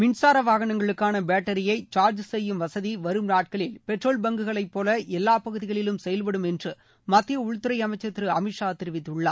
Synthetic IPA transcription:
mɪɳsaːɾɐʋaːɣɐɳɐŋɡɐɭɯkːaːnɐbeːʈːɐɾɪjɐɪt͡ʃaːɾd͡ʒsɛjːɯmʋɐsɐðiʋɐɾɯmnaːʈ̚kɐɭɪlpɛʈroːlbɐŋɡɯɣɐɭɐɪpːoːlɐʔɛlːaːpɐɣɯðɪɣɐɭɪlɯmsɛjɐlpɐɽɯmɛndrɯ | mɐt̪ːɪjɐʊɻt̪ːɯɾɐɪɐmɐɪt͡ʃːɐt̪ːɾɯɐmɪʂaːt̪ːɪɾɪʋɪt̪ːɯɭːa̰ː

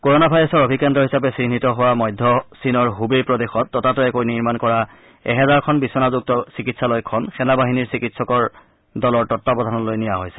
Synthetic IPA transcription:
koɹonabʱajɹɔsɔɹobʱikɛndɔɹɦisapɛsinitɔɦowamɔjdʱːɔsinɔɹɦubejpɹɔdexɔtːɔtatɔɛkojniɹmankɔɹa | ɛ̰ɦɛzaɹkʰɔnbisɔnazuk̚tɔsikitsalɔjkʰɔnxɛnabaɦiniɹsikitsɔkɔɹ | dɔlɔɹtɔtːabɔdʱanɔlojnijaɦojsɛ̥

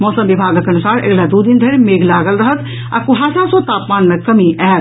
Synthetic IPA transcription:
mɔːsəmʋibʱaːɡəkɐnʊsaːɾḛɡlad̪uːd̪ind̪ʱeɾmeːɡlaːɡəlɾɐɦət̪ | a̰kʊɦaːsasot̪aːpmaːnmẽkɐmiʔɛɦt̪

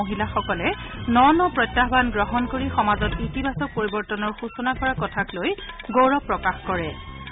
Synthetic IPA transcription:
oɦilaxɔkɔlɛnɔnɔpɹɔjtːaɦbanɡɹɔɦɔnkoɹixɔmazɔtitibasɔk̚poɹibɔɹtɔnɔɹxusɔnakɔɹakɔtʰaklojɡowɹɔpɹɔkaxkɔɹɛ

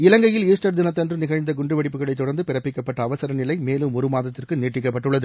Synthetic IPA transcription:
ɪlɐŋɡɐjɪliːsʈɐɾd̪ɪnɐt̪ːɐndrɯnɪɣɐɻnd̪ɐɡʊɳɖrɯʋɐɽɪpːɯɣɐɭɐɪt̪ːʊɽɐɾnd̪ɯpɪɾɐpːɪkːɐpːɐʈːɐːʋɐsɐɾɐnɪlɐɪmeːlɯmɔɾɯmaːðɐt̪ːɪrkɯniːʈrɪkːɐpːɐʈːɯɭːɐðɯ

